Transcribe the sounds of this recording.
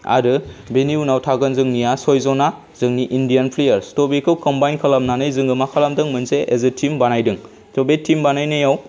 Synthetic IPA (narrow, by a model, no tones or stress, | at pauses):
a̰ɾɯbeniunawtʰaɡɯnzɯŋnijasɔjzɔna | z̥ɯŋniʔindijanpʰlejɐɾstobekʰɯwkɔmbajnkʰalamnanɯjzɯŋɡɯmakʰalamdɯŋmɯnseʔezɯtʰimbanajdɯŋ | tɔbetʰimbanajnɯjaw